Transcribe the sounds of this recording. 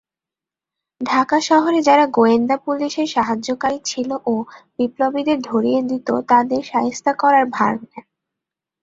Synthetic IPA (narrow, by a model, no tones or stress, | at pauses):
ɖʱakaʃɔɦoɾed͡ʑaɾaɡoend̪apuliʃeɾʃaɦad͡ʑokaɾit͡ɕʰiloʔobiplobid̪eɾd̪ʱoɾijed̪it̪ot̪ad̪eɾʃaɦest̪akɔɾaɾbʱaɾnɛ